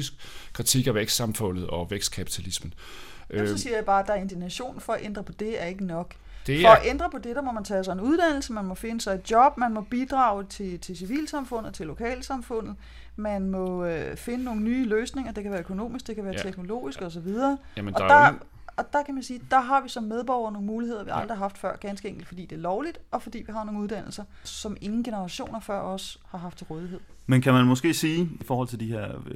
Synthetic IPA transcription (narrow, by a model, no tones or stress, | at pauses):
isɡ̥kʰːʁit͡sʰiɡ̥æʋeɡ̥sd̥sɑ̈mfɔ̽n̰ð̩ˠɒ̽ʋeɡ̥sd̥̚kʰæpʰi̥t͡sʰælismən̩ | ʔsɒsiːɐjɑ̈ɪb̥ɑ̈ːd̥ɑ̈æɐe̝nd̥inæɕo̝̰ːnn̩fɒ̽æʔend̥ʁɐpʰɒ̽d̥e̝æɐe̝ɡ̥ənɒ̽ɡ̥ | d̥efɒ̽æʔend̥ʁɐpʰɒ̽d̥e̝d̥ɑ̈mɒ̽mænt͡sʰɛːsɑ̈ɪenuð̞ˠd̥æn̰l̩səmænmɒ̽fe̝nəsɑ̈ɪe̝d̥̚jɒ̽b̥̚mænmɒ̽b̥id̥ʁɑ̈ːʊt͡sʰe̝t͡sʰe̝siʋḭːlsɑ̈mfɔ̽n̰ð̩ˠt͡sʰe̝lːo̝kʰɛ̰ːlsɑ̈mfɔ̽n̰ð̞̩ˠ | mænmɒ̽øfe̝nəno̝ːŋn̩nyːløːsne̝ŋɐd̥e̝kʰæʋæːɐøkʰo̝no̝̰ːmisɡ̥̚d̥e̝kʰæʋæːɐt͡sʰeɡ̥no̝lo̝̰ːisɡ̥ɒ̽s̬ɒ̽ʋið̞ˠɐːɒ̽d̥ɑ | ɒ̽d̥ɑ̈kʰæmænsiːd̥ɑ̈ɦɑ̈ʋisɒ̽mːeð̞ˠb̥ɒʊ̰ɐno̝ːŋ̩muːlihe̝ð̞̰ˠɐʋiɑ̈ld̥ʁiɦɑ̈fd̥fɶɐ̰ɡ̥ænsɡ̥əeŋɡ̥l̩d̥fɒ̽dḭːd̥e̝æɐlɒʊlid̥ɒ̽fɒ̽d̥ḭːʋiɦɑ̈no̝ːŋuð̞ˠd̥æn̰l̩sɐ | sɒ̽me̝ŋn̩ɡ̥e̝nəʁɑ̈ɕo̝̰ːnɐfɶɐ̰ɒ̽shɑ̈ɦɑfd̥̚t͡sʰe̝lʁɔːð̞ˠiɦe̝ð̞̰ˠmenkʰæmænmɒ̽sɡ̥e̝̰ːsiːifɒːhɒ̽l̰t͡sʰe̝ld̥iheɐ̰